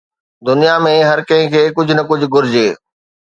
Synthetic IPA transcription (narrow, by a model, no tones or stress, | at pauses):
d̪ʊnijamẽɦɐɾkɐ̃ɦɪ̃kʰeːkʊd͡ʑʱʊnɐkʊd͡ʑʱʊ̆ɡʊɾɪd͡ʑeː